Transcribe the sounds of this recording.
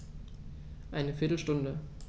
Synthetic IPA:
ʔaɪnəfɪɐtl̩ʃtʊndə

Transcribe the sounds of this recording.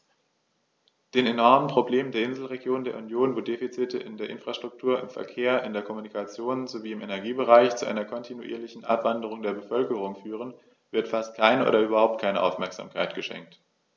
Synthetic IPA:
d̥eːnenɔɐmənpʁ̥obleːməndeːɐɪnzl̩ʁeɡjoːndeːɐunjoːnvoːdeːfit͡sɪtəʔɪndeːɐʔɪnfʁ̥aʃtʁ̥ʊk̚tʰuːɐʔɪ̰mfɛ̰ɐkʰeːɐʔɪndeːɐkʰɔmunikʰat͡sjoːnzoviːɪmenɛɐɡiːbəʁaɪçt͡suʔa̰ɪnɐkʰɔntʰinṵʔḭːɐlɪçn̩ʔa̰pv̥andəʁ̞ʊŋdeːɐbəfœlkəʁ̞ʊŋfyːʁ̞ən | vɪɐtfast̚kʰaɪnəʔo̰ːdɐʔyːbɐhaʊp̚t̚kʰaɪnəʔa̰ʊfmɛɐkz̥a̰ːmkʰaɪtɡ̥əʃɛ̰ŋk̚t

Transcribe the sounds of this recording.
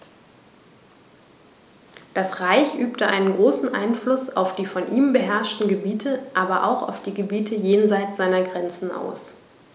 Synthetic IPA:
d̥asʁaɪçʔyːptəʔa̰ɪnənɡʁoːsn̩ʔa̰ɪnflʊsa̰ʊfd̥iːfɔnʔiːmbəɦɛɐʃtn̩ɡəbiːtʰəʔaːbɐʔa̰ʊxa̰ʊfd̥iːɡəbiːtʰəjeːnzaɪtz̥aɪnɐɡʁɛnt͡sn̩ʔa̰ʊs

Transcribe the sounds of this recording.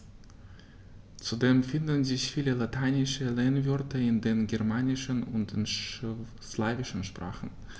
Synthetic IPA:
t͡sudeːmfɪndn̩zɪçfiːləlatʰaɪnɪʃəleːnvʏɐtʰəɪndeːnɡɛɐmaːnɪʃənʊntd̥eːnʃ | slaːvɪʃn̩ʃpʁ̥a̰ːχn̩

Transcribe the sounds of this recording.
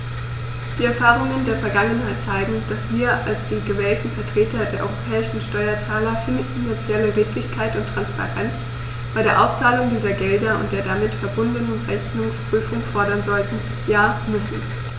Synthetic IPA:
d̥iːɛɐfaːʁʊŋəndeːɐfɛɐɡaŋənhaɪtt͡saɪɡŋ̩d̥asv̥iːɐʔalsd̥eːnɡəvɛːltn̩fɛɐtʁ̥eːtɐdeːɐʔɔʏʁopʰɛːɪʃn̩ʃtɔʏɐt͡saːlɐfɪnfɪnant͡sjɛləʁeːtlɪçkʰaɪtʊntʁ̥anspa̰ʁɛnt͡s | b̥aɪɾeːɐʔaʊst͡saːlʊŋdiːzɐɡɛldɐʊ̰ntd̥eːɐdamɪtfɛɐbʊndənənʁɛçnʊŋspʁ̥yːfʊŋfɔɐɾɐnzɔltn̩ | jaːmʏsn̩

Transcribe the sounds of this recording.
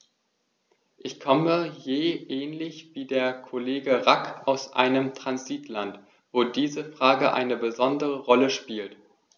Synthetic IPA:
ʔɪçkʰɔməjeːʔɛːnlɪçv̥iːdeːɐkʰoleːɡəʁakʔaʊsʔa̰ɪnəmtʁ̥anziːtlant | v̥oːdiːzəfʁ̥aːɡəʔa̰ɪnəbəzɔndəʁəʁɔləʃpiːlt

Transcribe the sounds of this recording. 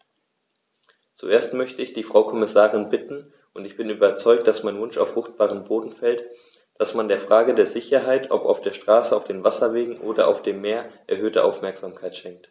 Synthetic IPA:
t͡sṵʔeːɐstmœçtəɪçd̥iːfʁ̥aʊkʰɔmɪsaːʁɪnbɪtn̩ | ʔʊntɪçb̥ɪnyːbɐt͡sɔʏk̚td̥asmaɪnvʊnʃa̰ʊfʁ̥ʊχt̚b̥aːʁəmboːdn̩fɛlt | d̥asmandeːɐfʁ̥aːɡədeːɐzɪçɐɦaɪtʰʔɔ̰pa̰ʊfd̥eːɐʃtʁ̥aːsəaʊfd̥eːnvasɐveːɡŋ̩ʔoːdɐʔa̰ʊfd̥eːmːeːɐʔɛɐhøːtəʔa̰ʊfmɛɐkz̥aːmkʰaɪtʃɛŋk̚t

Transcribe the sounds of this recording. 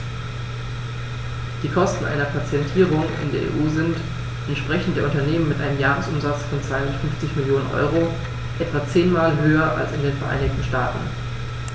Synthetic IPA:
d̥iːkʰɔstn̩ʔa̰ɪnɐpʰat͡sjɛntʰiːʁʊŋʔɪ̰ndeːɐḛːʔuːzɪnt | ʔɛntʃpʁ̥ɛçn̩td̥eːɐʊntɐneːmənmɪtʔa̰ɪnəmjaːʁəsʔʊmzat͡sfɔnt͡sv̥aɪhʊndɐtfʏnft͡sɪçmɪljoːnənʔɔ̰ʏʁo | ʔɛtv̥at͡seːnmaːlɦøːɐʔa̰lsɪndeːnfɛɐʔa̰ɪnɪçtn̩ʃtaːtn̩

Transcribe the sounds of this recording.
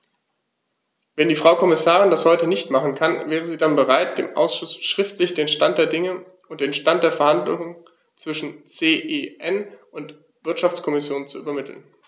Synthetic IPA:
vɛndiːfʁ̥aʊkʰɔmɪsaːʁ̞ɪndashɔʏtənɪçtmaχn̩kʰanvɛːʁəziːdanbəʁaɪt̚d̥ḛːmʔa̰ʊsʃʊsʃʁ̥ɪftlɪçd̥eːnʃtant̚d̥eːɐdɪŋə | ʊnt̚d̥eːnʃtant̚d̥eːɐfɛɐhandlʊ̰ŋən | t͡sv̥ɪʃn̩t͡seːʔeːʔɛnʊnt | v̥ɪɐtʃaft͡skʰɔmɪsjoːnt͡suʔyːbɐmɪtʰl̩n

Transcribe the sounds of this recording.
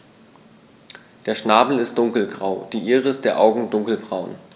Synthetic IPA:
d̥eːɐʃnaːbl̩ɪst̚d̥ʊŋkl̩ɡʁaʊd̥iːʔiːʁəɪstd̥eːɐʔaʊɡŋ̩dʊŋkl̩bʁaʊn

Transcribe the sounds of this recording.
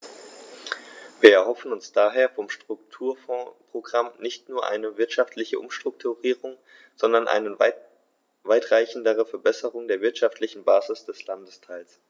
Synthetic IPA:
viːɐɛɐhɦɔfn̩ʊnsd̥aːɦeːɐfɔmʃtʁ̥ʊk̚tʰuːɐfɔːpʁ̥oɡʁamnɪçtnuːɐʔa̰ɪnəvɪɐtʃaftlɪçəʔʊmʃtʁ̥ʊk̚tʰuʁiːʁʊŋ | z̥ɔndɐnʔa̰ɪnə | vaɪtʁ̥aɪçn̩dəʁ̞əfɛɐbɛsəʁʊŋdeːɐvɪɐtʃaftlɪçn̩baːzɪsd̥ɛslandəstʰaɪls

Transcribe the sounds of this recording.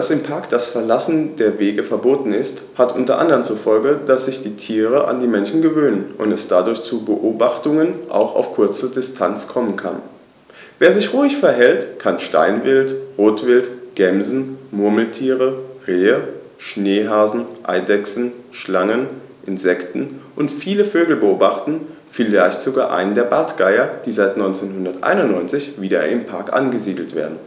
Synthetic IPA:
d̥asɪmpʰaɐkd̥asfɛɐlasn̩deːɐveːɡəfɛɐboːtn̩ɪst | hatʔʊntɐʔa̰ndəʁənt͡suɐfɔlɡəd̥asz̥ɪçd̥iːtʰiːʁ̞əʔa̰ndiːmɛnʃn̩ɡəvøːnənʔʊ̰ntɛsd̥adʊɐçt͡subəʔoːbaχtʊŋənʔa̰ʊxa̰ʊfkʰʊɐt͡sədɪstʰant͡skʰɔmənkʰa̰n | veːɐzɪçʁuːɪçfɛɐɦɛltkʰanʃta̰ɪnvɪltʁoːtv̥ɪltɡ̥ɛmzn̩mʊɐml̩tʰiːʁəʁeːə | ʃneːɦaːzn̩ʔa̰ɪdɛksn̩ʃlaŋən | ʔɪnzɛktn̩ʔʊntfiːləføːɡl̩bəʔoːbaχtn̩ | filɡaɪçtz̥oɡaːɐʔa̰ɪnəndeːɐbaɐtɡ̥aɪɐd̥iːzaɪtnɔʏnt͡seːnɦʊndɐtʔa̰ɪnʊntnɔʏnt͡sɪçv̥iːdɐ̰ʔɪ̰mpʰaɐkʔa̰nɡəziːdl̩tv̥ḛːɐdn̩

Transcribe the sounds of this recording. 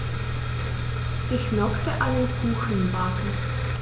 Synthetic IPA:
ʔɪçnɔktəʔaɪnənkʰuːxənbakn̩

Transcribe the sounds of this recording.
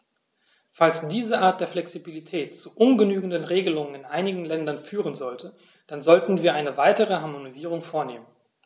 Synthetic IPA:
falsd̥iːzəʔaːɐt̚d̥eːɐflɛksibilitʰɛːtt͡suʔʊnɡənyːɡŋ̩dənʁeːɡəlʊŋənɪnʔaɪnɪɡŋ̩lɛndɐnfyːʁ̞ənzɔltʰə | d̥anzɔltn̩viːɐʔaɪnəvaɪtəʁ̞əɦaɐmoniziːʁ̞ʊŋfoːɐneːmən

